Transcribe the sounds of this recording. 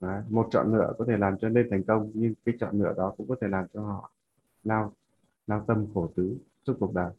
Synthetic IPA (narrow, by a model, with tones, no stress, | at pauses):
ʔaː˨˩˦mo˨˩t̚t͡ɕɔ̰˧˨nːɨ̰˧˥əkɔ˨˦t̪ʰe˧˩laː˨˩mt͡ɕɔ˧ne˧nt̪ʰa˨˩jŋ̟kə˧wŋ͡mɲɨ˧ŋkaː˨˦jt͡ɕɔ̰˧˨nːɨ̰˧˥əɗɔ˨˦kʊ̰˧˥ŋ͡mkɔ˨˦t̪ʰe˧˩laː˨˩mt͡ɕɔ˧ɦɔ̰˧˨ | laː˧w | laː˧wt̪ə˧mxo˧˩t̪ɨ˨˦su˦˥t̚ku˨˩ək̚ɗaː˨˩j